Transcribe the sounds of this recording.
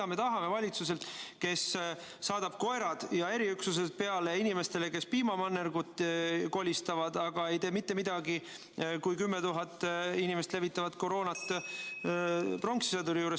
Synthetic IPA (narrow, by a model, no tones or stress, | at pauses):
ɑme̞t̪ɑɦɑme̞vɑlʲit̪suse̞lt̪ke̞sː | ɑːd̪̥ɑb̥̚ko̞eɾɑd̪̥jɑe̞ɾiyksus̬et̪̚pe̞ɑle̞inime̞st̪e̞le̞ke̞spiːmɑmɑnːerɡ̥ut̪ːˑko̞lʲist̪ɑvɑd̪ɑɡ̥ɑe̞jt̪eːmit̪ːe̞mid̪̥ɑɡi | kujkymːet̪uɦɑt̪ːˑinimest̪le̞vit̪ːˑɑvɑt̪ko̞ɾo̞ːnɑt̪ | pro̞ŋksi̥sɑd̪uɾijuːɾe